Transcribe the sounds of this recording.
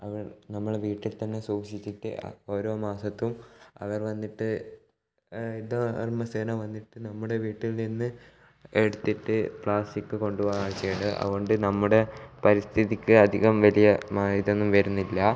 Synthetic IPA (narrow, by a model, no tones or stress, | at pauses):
ɐʋɐrnɐmːɐɭeʋiːʈːilt̪ɐnːe̞suːkɕit͡ɕːiʈːɨ̰o̞ːɾo̞ːmaːsɐt̪ːumɐ̰ʋɐrʋɐnːiʈːɨ | iðɐrmɐseːnɐmʋɐnːiʈːɨnɐmːuɽe̞ʋiːʈːilninːɨ | e̞ɽut̪ːiʈːɨpɭaːsʈikːɨko̞ɳɖuʋoaːɻt͡ɕːejiɳɨʔɐ̰ðuɣoɳɖɨnɐmːuɽe̞pɐɾist̪ʰiðikʲːɨɐd̪ʱiɣɐmʋɐlijɐmaːiðe̞nːumʋɐɾunːilːɐ